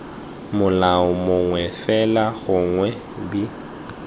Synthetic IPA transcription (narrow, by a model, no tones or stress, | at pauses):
mʊlaʊmʊŋwɛfɛlaɣʊŋwɛ | bi